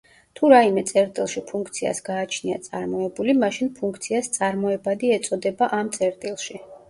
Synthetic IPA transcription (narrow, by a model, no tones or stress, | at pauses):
t̪ʰuɾaimɛt̪sʼɛɾt̪ʼilˠʃipʰuŋkʰt̪sʰia̰sɡaːt͡ʃʰnia̰t̪sʼaɾmɔɛbulimaʃinpʰuŋkʰt̪sʰiast̪sʼaɾmɔɛbad̪iɛt̪sʼɔd̪ɛbaʔamt̪sʼɛɾt̪ʼilˠʃi